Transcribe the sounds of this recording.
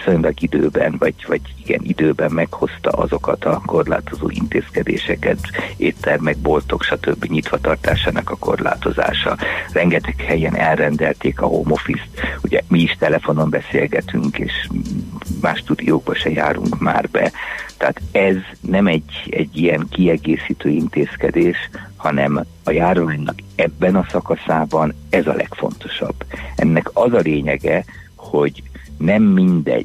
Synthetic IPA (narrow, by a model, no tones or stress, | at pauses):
sojonlɒɡid̪øːbɛnvɒɟvɒɟiɡɛ̰nʔid̪øːbɛmmɛkho̞st̪ɒ̰ʔɒzo̞kɒt̪ɒko̞rla̰ːt̪o̞zo̰ːʔḭnt̪eːskɛd̪ḛːʃɛkɛt̪eːt̪ːɛrmɛɡ̚bo̞lt̪o̞kʃɒt̪øbːiɲit̪ʋɒt̪ɒrt̪aːʃaːnɒkɒko̞rla̰ːt̪o̞za̰ːʃɒrɛŋɡɛt̪ɛkhɛjɛnʔɛlrɛnd̪ɛlt̪eːkɒhoːmo̞fist̪uɟɛmiiʃt̪ɛlɛfo̞no̞mbɛseːlɡɛt̪yŋkeːʃ | maːʃt̪ud̪ijoːɡ̚bɒʃɛja̰ːɾṵŋkma̰ːrbɛ̰t̪aːt̪ɛznɛmɛɟɛɟːijɛŋkiɛɡeːsiːt̪øːint̪eːskɛd̪eːʃhɒnɛm | ɒjaːrʋaːɲnɒkɛbːɛnɒsɒkɒsaːbɒnɛzɒlɛ̰kfo̞̰nt̪o̞̥ʃɒ̰bːɛ̰nːɛkɒzɒleːɲɛɡɛ | ho̞ɟnɛmːind̪ɛ̰